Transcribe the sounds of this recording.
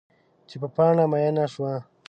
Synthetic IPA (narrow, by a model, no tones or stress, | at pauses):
t͡ʃepəpɑːɳamajanaʃwa